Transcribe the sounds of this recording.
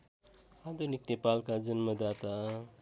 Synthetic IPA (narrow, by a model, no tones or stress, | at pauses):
ad̪onik̚t̪epalkad͡ʒʌnmʌd̪at̪a